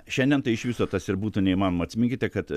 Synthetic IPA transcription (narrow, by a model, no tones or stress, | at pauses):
ʃʲɛnʲd̪ʲɛnt̪ɐɪɪʃʲʋʲɪsoːt̪ɐsɪɾbuːt̪uːnʲɛimɑːnomɐt̪ʲsʲmʲɪŋkʲɪt̪ʲɛkɐt̪